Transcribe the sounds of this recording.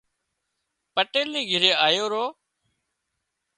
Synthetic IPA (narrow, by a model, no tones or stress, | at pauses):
pəʈeːlnĩːɡʱɪɾeːaːjoːɾoː